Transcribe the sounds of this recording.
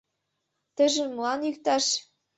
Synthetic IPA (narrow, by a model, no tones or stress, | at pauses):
t̪ɘ̆ʒɘ̆nmɤlˠɑnjykt̪ɑʃ